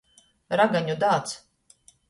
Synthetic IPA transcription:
ɾaɡaɲud̪aːt̪s

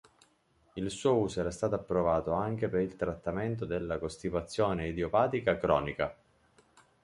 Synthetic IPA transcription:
ilsuːouːsoɛːɾast̪aːt̪oapːɾovaːt̪oaŋk̟epeɾilt̪ɾat̪ːament̪̬od̪elːakost̪ivat̪sːjoːneid̪jopaːt̪ikakɾɔːnika

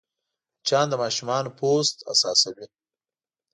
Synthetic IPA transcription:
t͡ʃɑnd̪əmɑʃumɑnopʰost̪a̰sɑsawi

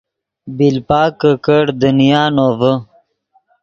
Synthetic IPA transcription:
bilpaːkːəkəɽd̪ənijaːnoːvə

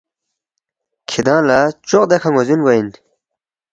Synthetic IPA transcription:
kʰid̪ãːlat͡ɕoqd̪ekʰaŋɡozinɡoin

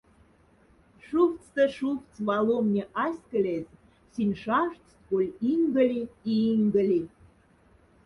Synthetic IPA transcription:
ʃuft͡st̪ə̆ʃuft͡sβɑlomnʲeʔɑsʲkə̆lʲez | sinʲʃɑʃtt̪kolʲiŋɡə̆lʲiiiŋɡə̆lʲi

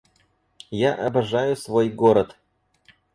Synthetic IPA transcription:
jaʔɐbɐʐajʊsvojɡoɾət̪

